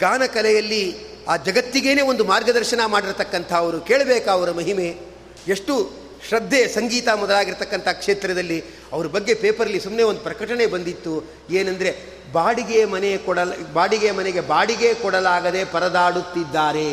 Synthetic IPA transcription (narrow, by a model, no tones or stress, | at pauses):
ɡaːnɐkɐlɛjɐlːi | aːd͡ʒɐɡɐt̪ːiɡeːne̞ːʋo̞nd̪umaːɾɡɐd̪ɐɾʃɐnɐmaːɽiɾt̪ɐkːɐnt̪ʰɐːʋɐɾukeːɭɐbeːkɐɐʋɐɾɐmɐɦime̞ | eʂʈu | ʃɾɐd̪ʱːesɐŋɡiːt̪ɐmɔd̪ɐlaːɡiɾt̪ɐkːɐnt̪ʰɐkʂeːt̪ɾɐd̪ɐlːi | ɐʋɐɾubɐɡːe̞peːpɐɾɐlːisumneʋond̪upɾɐkɐʈɐne̞bɐnd̪it̪ːu | eːnɐnd̪ɐɾe̞ | baːɽiɡemɐnekɔɽɐlbaːɽiɡejmɐneɡe̞baːɽiɡe̞kɔɽɐlaːɡɐd̪e̞pɐɾɐd̪aːɽut̪ːid̪ːaːɾe̞